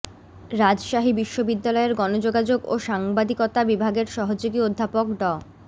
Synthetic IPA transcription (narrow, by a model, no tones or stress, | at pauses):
ɾad͡ʑʃaɦibiʃːobid̪ːalɔeɾɡɔnod͡ʑoɡad͡ʑoɡo̰ʃaŋbad̪ikot̪abibʱaɡeɾʃɔɦod͡ʑoɡiod̪ʱːapokɖɔ